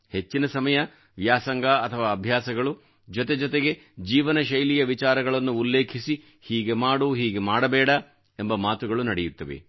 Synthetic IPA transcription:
he̞t͡ʃːinɐsɐmɐjɐ | ʋjaːsɐŋɡaɐt̪ʰɐʋaːɐbʱjaːsɐɡɐɭu | d͡ʒɔt̪e̞d͡ʒɔt̪e̞ɡe̞ | d͡ʒiːʋɐnɐʃɐjlijɐʋit͡ʃaːɾɐɡɐɭɐnːuːlːeːkʰisi | hiːɡe̞maːɽuːɦiːɡe̞maːɽɐbɛːɽɐ | embɐmaːt̪uɡɐɭunɐɽejut̪ːɐʋḛ

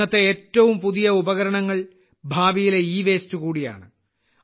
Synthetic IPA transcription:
ɐt̪ːeeːtːɐʋumpuðijɐubɐɣɐɾɐɳɐŋːɐɭ | bʱaːbijile̞iːʋe̞ːstukuːɽija̰ːɳɨ

